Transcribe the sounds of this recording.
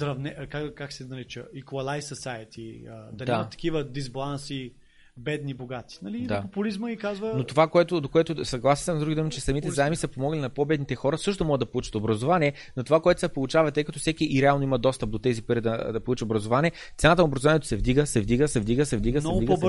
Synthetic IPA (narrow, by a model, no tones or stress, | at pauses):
sɾɐvnɛkakaksɛnɐɾit͡ʃəikoɐlˠajsɐsajɛt̪ʰiəd̪ɐd̪aimɐt̪ːɐ̥kʲivəd̪izbɐlˠansi | bɛd̪niboɡat̪i̥nɐlid̪apopʊlizməɡʲikazvənot̪ovakoɛt̪od̪okoɛt̪osɐɡlˠasɛsəmd̪ɾuɡʲid̪umit͡ʃɛsɐmit̪ɛzaɛmisəpomɔɡlʲinɐpobɛd̪nit̪ɛxɔɾəsɤʃt̪omɔɡəd̪ɐpolˠut͡ʃə̥t̪obɾɐzovaniɛ | not̪ovakoɛt̪o̥sɛpolˠut͡ʃavɐt̪ɤjkɐt̪ɔsɛkiʔiɾɛalˠnoimɐd̪ɔst̪əp̚d̪ot̪ɛzipəɾid̪ɐd̪ɐpolˠut͡ʃət̪obɾɐzovaniɛ | t̪sɛnat̪ənɐobɾɐzovaniɛt̪osɛvd̪iɡəsɛvd̪iɡəsɛvd̪iɡəsɛvd̪iɡənɔɡʊiɡpɔb